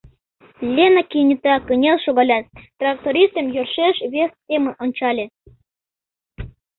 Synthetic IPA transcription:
lʲenəkinʲit̪ɑkə̆nʲelʃoɣɑlʲɑt̪̚ːrɑk̚t̪oɾʲist̪əmjørʃeʃβestʲemə̆ʔonʲt͡ɕɑlʲĕ

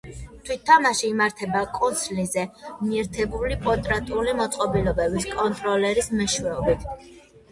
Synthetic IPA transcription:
t̪ʰwit̪ʰːamaʃiːmaɾt̪ʰɛbakʼɔnsʰlizɛmiɛɾt̪ʰɛbulipʰɔt̪ʼɾat̪ʼulimɔt̪sʼqʼɔbilɔbɛbiskʼɔnt̪ʼɾɔlɛɾismɛʃwɛɔbit̪ʰ

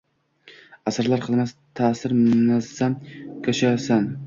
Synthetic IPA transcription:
asaɾlaɾqʰɨlˠmast̪ʰaːsɪɾmʊnasamkʰoʃasan

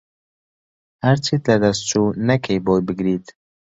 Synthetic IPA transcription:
hæɾt͡ʃʰit̪lɐd̪ɐst͡ʃunɐkʰejboːjbɨɡɾiːt̪

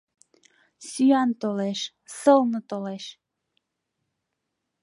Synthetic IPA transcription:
syɑnt̪oleʃ | səlnə̆t̪oleʃ

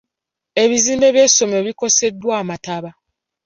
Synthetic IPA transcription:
e̞βiziːmbe̞βjeso̞moβiko̞se̞dːwaːmataβa

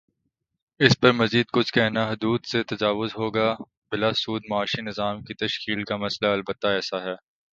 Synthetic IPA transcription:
ɪspɐɾmɐziːd̪̚kʊt͡ʃʰkɛɦnaɦʊd̪uːd̪set̪ɐd͡ʒaːʋʊzɦoːɡa | bɪlasuːd̪mɐaːʃinɪzaːmkit̪ɐʃkiːlkamɐslaɐlbət̪ːaɛːsaɦɛː

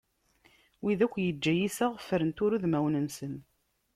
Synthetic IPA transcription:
wiðækʷːjəd͡ʒːæjisæʁfːəɾənt̪ʊɾuðmæwnənsən

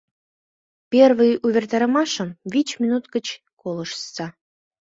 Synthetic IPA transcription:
pʲervɨjuβʲert̪ɑɾə̆mɑʃə̆mvʲit͡ɕmʲinut̪kə̆t͡ɕ | kolɤ̆ʃst͡sɑ

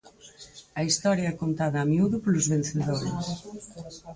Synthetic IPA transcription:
ɐist̪ɔɾjɐɛkont̪aðɐːmiuðʊpoluzβen̟θeðoɾʊs

